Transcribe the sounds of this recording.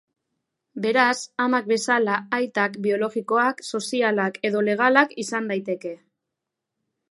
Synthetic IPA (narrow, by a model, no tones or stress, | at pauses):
be̞ɾasamak̚be̞salaːjt̪akbio̞lo̞ɣiko̞akso̞sialake̞ðo̞le̞ɣ̞alakisand̪ajt̪e̞ke̞